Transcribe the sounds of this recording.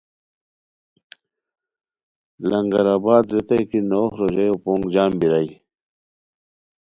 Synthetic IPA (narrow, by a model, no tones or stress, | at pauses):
lɐŋɡɐɾaːbaːd̪ɾet̪ɐjkinoːxɾoʑajopoŋɡd͡ʑaːmbiɾaj